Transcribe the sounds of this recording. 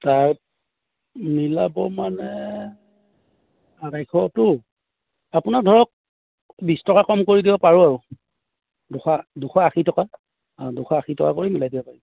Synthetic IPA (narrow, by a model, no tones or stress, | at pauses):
taɹt | milabɔmanɛ | adajkʰɔtʊ | apʊnak̚dʱɔɹɔk̚ | bistɔkakɔmkoɹidibɔpaɹuaɹʊ | dʊxʰaduxʰaaxitɔka | adʊxʰaaxitɔka̰koɹimilajdibɔpaɹi